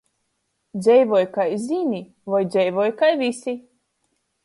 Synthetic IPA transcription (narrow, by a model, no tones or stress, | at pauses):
d̪zʲɛjvɔjkajzʲinʲi | vajd̪zʲɛjvɔjkajvʲisi